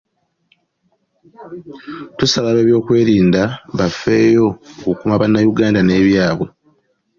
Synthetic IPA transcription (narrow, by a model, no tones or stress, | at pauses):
tusaβaweːβjo̞ːkwe̞ːɾiːndaβafːe̞ːjo̞kukumaβanːajuɡaːndane̞ːβjaːβwe̞